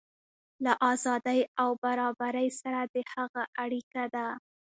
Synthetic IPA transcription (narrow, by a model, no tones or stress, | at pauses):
laʔɑzɑd̪əjawbaɾɑbaɾəjsaɾad̪əhaɣaʔaɽikad̪a